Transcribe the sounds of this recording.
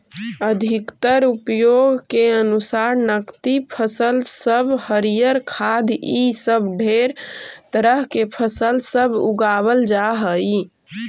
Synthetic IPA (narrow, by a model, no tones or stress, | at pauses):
əd̪ʱikt̪əɾupjoɡkeənusaɾnəkt̪ipʰəsəlsəbhəɾijəɾkʰad̪ʱisəbɖʱeɾt̪əɾəɦkepʰəsəlsəbuɡaβəld͡ʒaɦəj